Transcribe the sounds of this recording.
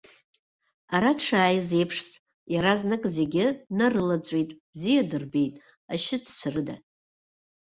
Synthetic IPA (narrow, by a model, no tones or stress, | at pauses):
aɾaʈ͡ʂʷʰaːjze̞jpʰʂtʼ | jaɾaznɨkʼze̞ɡʲɪnarɨlat͡sʷʼejtʼb̥zijadɨrbejtʼ | aʃɪdʰt͡sʷʰarɨda̰